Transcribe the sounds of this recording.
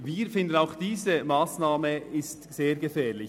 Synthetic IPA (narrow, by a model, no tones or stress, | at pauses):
viːɾfɪndənaʊxd̥iːzəmaːsnaːməɪstz̥eːɾɡəfɛːlɪ